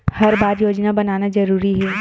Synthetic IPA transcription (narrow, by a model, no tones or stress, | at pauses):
hɐɾbaːɾjoːd͡ʒnabɐnaːnazɐɾuːɾiɦɛː